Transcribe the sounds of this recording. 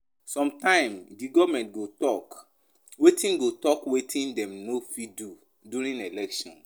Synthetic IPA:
sɔ̃mtãɪ̃mdiɡɔvmɛ̃ntɡotɔk | wetĩnɡotɔkwetʰĩndɛ̃mnofidu | duɾĩnelɛkʃɔ̰̃n

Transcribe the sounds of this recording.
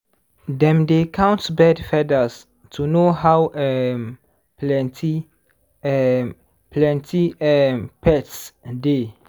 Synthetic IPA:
dɛ̃mdekʰãw̃ntbɛdfɛdəs | tʰunoɦawʔɛm | plɛntʰi | plɛ̃ntʰiɛmpɛtsde

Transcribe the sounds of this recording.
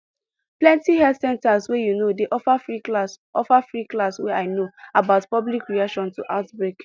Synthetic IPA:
plɛ̃ntihɛldsɛ̃ntaswɛjunodeʔɔfafɹiklasʔɔfafɹiklaswɛaɪnoabaʊtpɔblikɹiakʃɔ̃ntuʔaʊtbɹek

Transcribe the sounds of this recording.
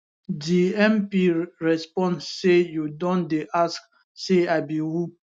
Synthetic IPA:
diɛ̃mpiɹɛspɔ̃nsejudɔ̃ndeʔask | seabiwu

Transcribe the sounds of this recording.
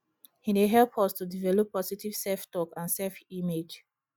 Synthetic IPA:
hineɦɛlpʰɔstudivɛlɔpːɔsitiv̥sɛlftɔkãnsɛfimed͡ʒ

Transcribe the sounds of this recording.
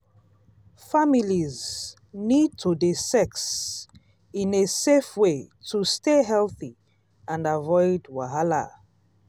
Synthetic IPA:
familiz | nid̚tʰudesɛks | ĩnesefwetʰusteɦɛlθi | ãnavɔɪdwaɦala̰

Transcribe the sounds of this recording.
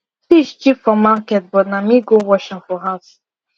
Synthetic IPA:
siʃt͡ʃifɔmakɛt̚bɔnamiɡowɔʃɪ̃ŋfɔɦas

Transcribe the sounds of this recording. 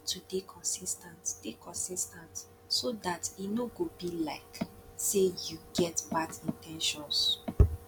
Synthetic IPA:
tʰudekʰɔ̃nsistãntd̥ekʰɔ̃nsistãnt | sodatinoɡobilaɪksejuɡɛtbadĩntʰɛ̃nʃɔ̃ns

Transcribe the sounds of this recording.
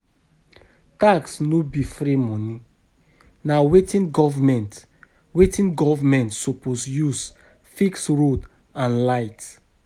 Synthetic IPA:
taksnobifɾimɔ̃ni | nawetĩnɡɔvmɛ̃nt | wetĩnɡɔvmɛ̃ntsoposjus | fiksɹod | ãnlaɪt

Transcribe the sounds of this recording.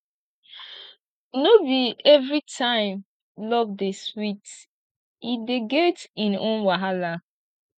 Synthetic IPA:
nobiɛvɹitʰãɪ̃m | lɔvdeswit | ideɡɛtĩnõnwaɦala

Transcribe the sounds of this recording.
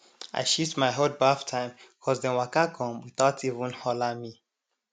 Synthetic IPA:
a̰ɪʃitmaɪɦɔd̚baftʰãɪ̃mkʰɔzdɛ̃nwakakʰɔ̃mwiθaʊtʰivũnhɔlami

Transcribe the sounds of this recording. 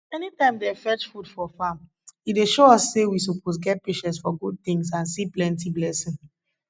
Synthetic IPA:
ɛnitãɪ̃mdɛfɛt͡ʃfudfɔfãm | ideʃoɔsːewis̬opʰos̬ɡɛt̚peʃɛ̃ntsfɔɡud̚θĩŋsãnsiplɛ̃ntiblɛsĩŋ

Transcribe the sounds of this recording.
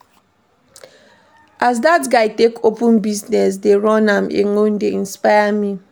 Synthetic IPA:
ʔaz̬datɡaɪtekʰopʊ̃nbiznɛs̬deɹɔ̃nãmḛŋon̩deĩnspaɪami

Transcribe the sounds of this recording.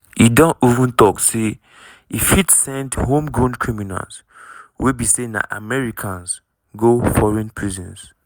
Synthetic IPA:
idɔ̃nivũntɔkse | ifitsɛ̃ndhõmɡõnkʰɹimina̰ls | wibisẽnda̰ʔa̰mɛɹikʰãns | ɡofɔɹɛ̃npʰɹizɛ̰̃ns

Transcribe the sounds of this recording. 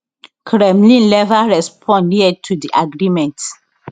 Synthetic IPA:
kʰɾɛ̃mlĩnlɛvaɹɛspʰɔ̃nniɛtʰudiʔaɡɹimɛ̃nt

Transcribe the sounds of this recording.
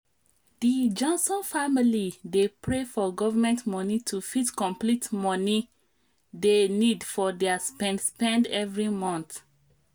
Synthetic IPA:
d̥id͡ʒɔ̃nsɔ̃nfamilidepɹefɔɡɔvamɛ̃ntmɔnitʰufitkɔ̃mplitmɔni | denidfɔdɛaspɛ̃nspɛ̃ndɛvɹimɔ̃nθ

